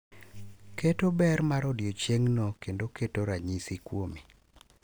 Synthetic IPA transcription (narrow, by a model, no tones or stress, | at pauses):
ketobɛrmaɾɔdjot͡ʃeŋnɔkendoketoɾaɲisikwomi